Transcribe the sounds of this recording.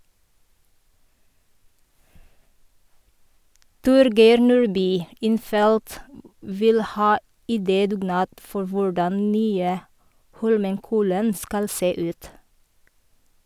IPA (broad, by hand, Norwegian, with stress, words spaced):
ˈtʊɾɡeɪɾ ˈnuːɹˌbyː ˈɪnˌfɛlt ˈʋɪl ˈhɑː ɪˈdeːdʉːˌɡnɑːt ˈfɔɾ ˈʋʊɹdɑn ˈnyːə ˈhɔlməŋˌkɔlən ˈskɑl ˈseː ˈʉːt